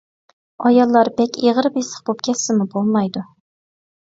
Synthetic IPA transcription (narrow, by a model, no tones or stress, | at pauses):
ɑjɑlˠːɑɾbɛkʲeʁəɾɨpesə̥χbop̚kʲʰɛt̪sɪmubolˠmɑjd̪u